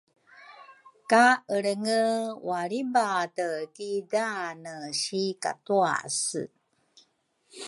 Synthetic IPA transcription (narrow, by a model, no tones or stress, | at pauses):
kaəɭəŋəwaɭibatəkidanəɕika̰tua̰sɨ̰